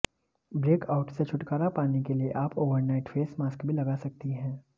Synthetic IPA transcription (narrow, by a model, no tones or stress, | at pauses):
bɾeːkaʊʈset͡ʃʰʊʈkaːɾapaːnekelieʔaːpoːʋəɾnaɪʈfeːsmaːskbʱilɐɡaːsɐk̚t̪iɦɛ̃ː